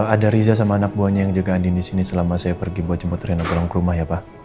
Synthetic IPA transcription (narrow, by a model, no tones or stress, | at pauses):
adaɾizas̬amaːnak̚buaɲajaŋd͡ʒuɡaːndindisinisəlamasajapərɡibuat̪̚t͡ʃəmbpuʊt̪ɾenaɡəlɔŋkəɾumahjapa